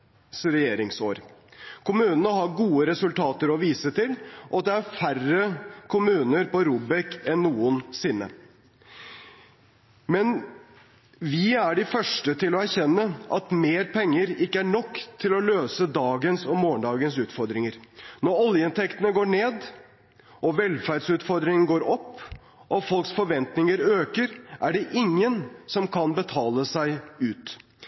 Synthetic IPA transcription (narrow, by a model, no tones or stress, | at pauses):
sɾɛjeːɾɪŋsoːɾkʰʊmʉːnənəɦɑɾɡuːəɾɛsʉlt̪ʰɑːt̪əɾɔʋiːsət̪ʰɪlʔɑt̪̚d̪ɛæɾfærəkʰʊmʉːnəɾpɔɾuːbɛkɛnːuːənsɪnːə̰ | mɛn | ʋɪæɖɪfœʂʈət̪ʰɪlɔæɾçɛnːəʔɑt̪meːɾpʰɛŋːəɾɪkːəæɳɔkːt̪ʰɪlɔløːsəd̪ɑːɡənsɔmoːəɳɖ̪ɑːɡənsʉːt̪fɔɾd̪ɾɪŋəɾnɔɾɔljəɪnt̪ʰɛkt̪ənəɡoːɳeːd̪ | ɔʋɛlfæɖsʉːt̪fɔɾd̪ɾɪŋən̩ɡoːɾɔpː | ʔɔfɔlˠksfɔɾʋɛnt̪nɪŋəɾøːkəɾʔæɖɛʔɪŋːənsɔmkʰɑnbət̪ʰɑːləsæɪʉːt̪